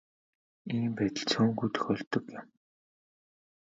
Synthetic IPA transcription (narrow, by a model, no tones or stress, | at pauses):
iːmpæːt̪ə̆ɮt͡sʰʊːŋɡujt̪ʰɵ̥xʲœːɬt̪ɞ̆kjɪ̆m